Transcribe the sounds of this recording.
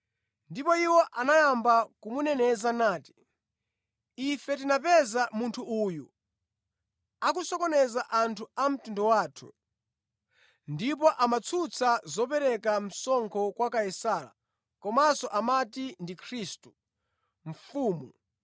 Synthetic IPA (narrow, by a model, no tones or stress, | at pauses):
ndipɔiwɔʔanajambakumunɛnɛzanaːti̥ | ifɛtinapɛzamuntʰuʔuːju | akusɔkɔnɛzaʔantʰuam̩tundɔwaːtʰu̥̰ | ndip̬ɔʔamat͡sʰut͡sʰazɔpɛɾɛkam̩sɔŋkʰɔkwakajɛsaːla̰ | kɔmasɔʔamatindikʰɾiːstu̥ | ɱ̩fuːmu